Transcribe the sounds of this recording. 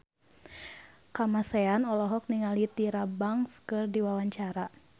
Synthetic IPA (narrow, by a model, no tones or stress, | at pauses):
kamasɛanɔlɔɦɔk̚niŋalit̪iɾabaŋskɨrdiwawaɲt͡ʃaɾa